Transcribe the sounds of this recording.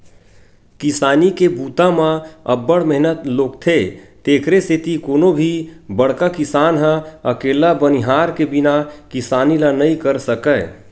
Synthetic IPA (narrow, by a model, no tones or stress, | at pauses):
kɪsaːnikebuːt̪amãəbːəɽmɛɦnət̪loːkt̪ʰet̪eːkʰɾeset̪ikoːnobʱibəɽkakɪsaːnɦə̃əkeːlabəniɦaːɾkebinakɪsaːnilanəĩkəɾsəkə